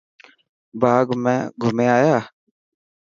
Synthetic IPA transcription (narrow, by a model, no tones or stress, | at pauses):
baːɡmɛ̰̃ːɡʱʊmeːaːjaː